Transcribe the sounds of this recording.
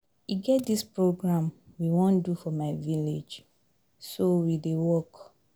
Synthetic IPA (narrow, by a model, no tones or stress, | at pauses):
iɡɛt̚dispɹoɡɹãmwiwõndufɔmaɪviled͡ʒ | sowidewɔk